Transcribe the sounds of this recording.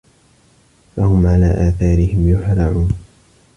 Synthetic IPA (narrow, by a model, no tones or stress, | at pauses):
fahʊmʕalaːʔaːθɑːɾɪhɪmjʊħɾˤɑʕuːn